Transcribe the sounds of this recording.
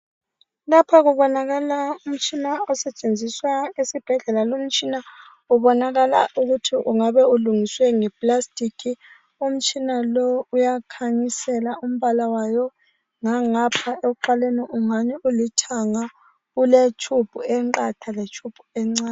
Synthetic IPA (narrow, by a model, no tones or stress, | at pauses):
lapʰaɣuβɔnaɣalaum̩t͡ʃʼinaɔsɛt͡ʃʼend͡zʱiswaesib̥ʱɛɮɛlalom̩t͡ʃʼina | uβɔnaɣalauɣutʰiʔuŋaβɛuluŋiswɛŋɛpʼlastʼikʰi | um̩t͡ʃʼinalɔujakʰaɲisɛlaum̩βalawajɔ | ŋaŋapʰaeɣuǃaleniʔuŋaɲɛʔulitʰaŋa | ɣulet͡ʃʰʼub̥ʱuɛŋǃatʰalet͡ʃʰʼub̥ʱu̥ɛŋ͡ǀaːn